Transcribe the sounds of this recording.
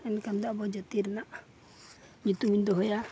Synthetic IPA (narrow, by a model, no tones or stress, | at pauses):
ɛnkand̪ɔʔbɔd͡ʒɔt̪iɾɛnaʔ | ɲut̪umind̪ɔɦɔja